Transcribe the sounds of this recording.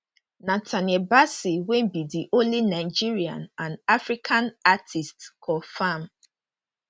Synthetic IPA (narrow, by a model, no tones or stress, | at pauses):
natʰanebasiwembidiʔõlinaɪd͡ʒiɹiã̰nãnafɹikʰãnatʰistkʰɔfam